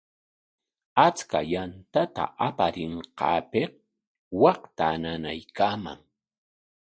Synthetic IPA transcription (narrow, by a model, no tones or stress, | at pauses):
at͡skajant̪at̪a̰ʔapaɾɪɴqɑ̰ːpeh | wɑχt̪ananajkaːma̰ŋ